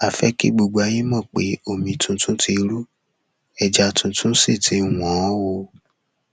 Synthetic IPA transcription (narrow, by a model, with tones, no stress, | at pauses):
a˨fɛ˦kḭ˦ɡ͡bo˧ɡ͡ba˧jĩ˦mɔ̃˦˨k͡pe˨˦o˦˨mĩ˧tũ˧tũ˦ti˧ɾu˦ | ɛ˨d͡ʒa˧˦tũ˧tũ˦se˦˨tʰi˨˦˨w̃ɔ̃˨˦wo˧